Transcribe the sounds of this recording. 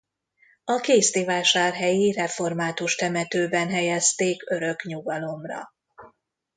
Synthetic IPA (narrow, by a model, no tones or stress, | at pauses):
ɒkeːst̪ivaːʃaːrɦɛjirɛfo̞rmaːt̪uʃt̪ɛmɛt̪øːbɛnɦɛjɛst̪eːkø̞ɾø̞kɲuɡɒlo̞mrɒ̰